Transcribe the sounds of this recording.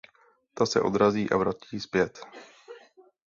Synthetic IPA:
t̪asɛʔo̞̰d̪ɾaziːʔa̰vɾaciːspjɛt̪

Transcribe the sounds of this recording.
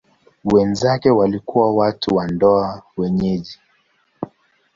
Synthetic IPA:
wɛnzakɛwalikuwawatuwandɔawɛɲɛʄi

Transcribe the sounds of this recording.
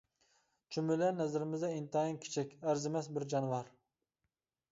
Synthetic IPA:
t͡ʃʰymɪlɛnːɛzɪɾɪmɪzd̪ɛint̪ɑinkʲʰe̥t͡ʃʰɛkʲæɾzɪmɛsbɪɾd͡ʒɑnwɑɾ

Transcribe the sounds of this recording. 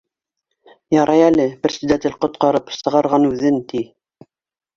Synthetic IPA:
jɑɾʔɑjælɘpɘ̆rʲsɘd̪æt̪ɘlqŏt̪̚qɑɾɤpsɤ̆ʁɑɾʁɑnʉðɘnt̪i

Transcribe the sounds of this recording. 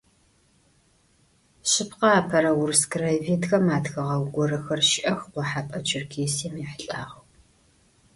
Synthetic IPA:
ʃɕɪpʰqɐaːpʰɐɾɐwʊrskraveːtxɐmaːtxɐʁɐwɡʷɔɾɨxɐrʃɪʔɐxqʷɔħapʼɐt͡ʃʰɪrkʰeːsiːmiħəɬʼaːʁɐw

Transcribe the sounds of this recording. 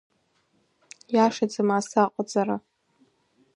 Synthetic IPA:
jaʂad͡zɨmaːsaqʷʼad͡zaɾa

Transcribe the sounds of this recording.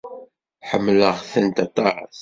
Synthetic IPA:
ħəmːləʁθænt̪æt̪ˤːɑɾˤɑ̰θ

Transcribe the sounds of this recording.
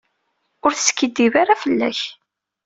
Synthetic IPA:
ʊɾθə̥skːəd̪ːivaɾafəlːæ̰ç

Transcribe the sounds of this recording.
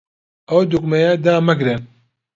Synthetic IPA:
ɐwd̪ukmɐjad̪aːmɐɡɾen

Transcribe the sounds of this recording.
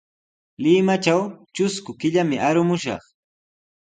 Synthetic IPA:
lɪmat͡ʃawt͡ʃʊskʊkɪʎamɪʔaɾʊmʊʃɑ̰χ

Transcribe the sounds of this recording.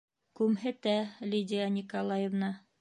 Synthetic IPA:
kʉmɦɘt̪ælʲidʲijanʲikolˠɑjevnɑ

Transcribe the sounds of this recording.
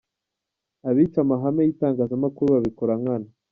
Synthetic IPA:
aβiːt͡ʃamaɦamejiːtaːŋɡaːzamakuɾuβaβikoɾaŋana

